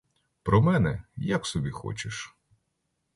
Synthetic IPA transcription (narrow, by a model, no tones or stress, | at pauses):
pɾɔmɛnɛjaksɔbʲixɔ̰t͡ʃeʃ